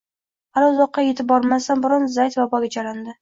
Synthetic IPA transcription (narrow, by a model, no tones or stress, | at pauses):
halaʊzɒqːɑje̞t̪ʰɪp̚bɒɾmasanbɪɾɒnzajt̪vabɒɡʲad͡ʒaɾand̪ɪ